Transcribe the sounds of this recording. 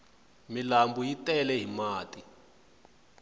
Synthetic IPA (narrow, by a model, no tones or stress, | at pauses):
milambujitɛlɛɦimaːtʼi